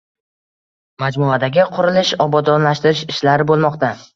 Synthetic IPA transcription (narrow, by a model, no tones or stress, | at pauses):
mad͡ʒmʊad̪aɡʲɪqʰʊɾɪlɪʃɒbɒd̪ɒnlaʃt̪ɪɾɪʃɪʃlaɾɪbolˠmɒqt̪a